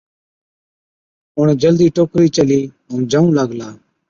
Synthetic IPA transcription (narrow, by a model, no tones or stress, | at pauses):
ʊɳd͡ʒəld̪iːʈoːkɾiːt͡ʃəliː | ənd͡ʒəũːləɡlaː